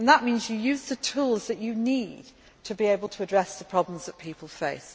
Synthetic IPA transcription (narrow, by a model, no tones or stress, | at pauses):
nðəʔmĩnzjəjʉzðətʰuːlˠzðət͡ʃɨnid̚ | tʰɨbieɪbəlˠtʰəːdɹɛsðəpʰɹ̥ɒblə̃mzðət̚pʰiˑpəl̩ˠfeɪs